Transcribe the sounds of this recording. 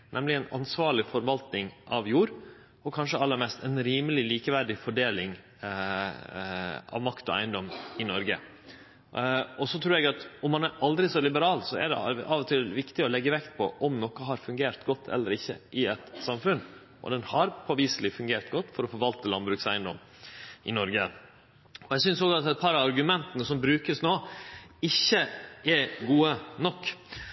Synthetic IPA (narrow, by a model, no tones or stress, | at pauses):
nɛmlɪɛɪnɑ̰nsʋɑːɭɪfɔɾʋɑlt̪nɪŋʔɑʋjuːɾ | ɔkʰɑnʂəɑlːəɾmɛst̪ɛnɾiːməlɪliːkəʋæɖɪfɔɖeːlɪŋ | ɑ̰ʋmɑkt̪ɔæ̰ɪənd̪ɔmɪnɔɾɡə̰ | ɔsɔt̪ʰɾʉːɾɛɡɑt̪ɔmːɑnæɾʔɑld̪ɾɪsɔlɪbəɾɑːlsɔɛ̰ɖɛ̰ʔɑʋɔt̪ʰɪlʋɪkt̪ɪɔlɛɡːəʋɛkt̪pʰɔ̰ʔɔmnɔkəɦɑɾfʉŋɡeːɾt̪ɡɔt̪ʰːɛ̰lːəɾɪçːə̰ʔɪɛt̪sɑmfʉn | ʔɔ̰d̪ɛnhɑɾpʰɔʋiːslɪfʉŋɡeːɾt̪ɡɔt̪ːfɔɾɔfɔɾʋɑlt̪əlɑnbɾʉːksæɪənd̪ɔ̰m | ʔɪnɔɾɡə | ɔɛɡsʏnsɔɡɑt̪ɛt̪̚pʰɑɾɑɾɡʉmɛnt̪ənəsɔmbɾʉːkəsnoːɪçːəɛɡuːənɔkː